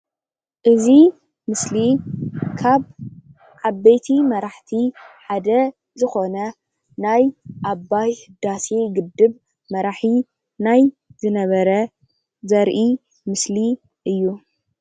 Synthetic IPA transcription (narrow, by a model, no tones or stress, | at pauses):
ʔɨzi | mɨslikʰaβ | ʕaβejt̪ʰimɐɾaħt̪ʰiħad̪ɐ | zɨxo̞nɐ | najʔaβːajhɨd̪aseɡɨd̪ːɨβ | mɐɾaħi | naj | zɨnɐβɐɾɐ | zɐɾʔi | mɨsli | ʔɨjːu